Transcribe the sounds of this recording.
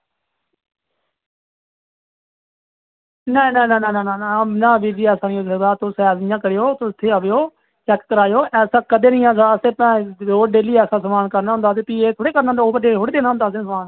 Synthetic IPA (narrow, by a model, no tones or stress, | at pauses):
nɛnɛ̃ːnɛ̃ːnɛɛ̃ãːnanaːbiːd͡ʒiːɛːsaːniosəd̪aːt̪osɛːznɪjãːkəɾɪjoːt̪oʊt̪ʰːeːəʋjoː | t͡ʃɛːkkəɾaːjoːʔɛːsãːkəd̪eːnəĩːãːsaːəseːpɛ̃ːd̪oːɖeːliːɛːsãːsəmaːnkəɾnaɦʊ̃nd̪aːt̪̬eːpiːeːt̪ʰoːɽeːkəɾnaə̃nd̪aoːpəɖeːlʰoːɽeːd̪eːnaːɦʊnd̪aːsːsmaːn